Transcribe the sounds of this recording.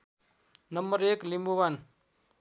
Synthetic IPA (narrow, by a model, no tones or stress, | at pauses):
nʌmbəɾeklimbuwan